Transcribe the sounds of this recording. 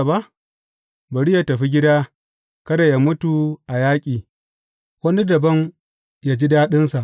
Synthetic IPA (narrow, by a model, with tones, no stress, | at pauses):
ba˦ʔ | bɐ˨ɽi˦ja˦tɐ˨ɸi˦ɡʲɪ˦daː˦ | kɐ˦da˨ja˨mʊ˦tu˨ʔa˨jaː˦kʲʼiː˨ | wɐ˦ni˦dɐ˨bɐ˦ŋ | jaː˦d͡ʒi˦daː˦ɗɪ˦nsa˨ʔ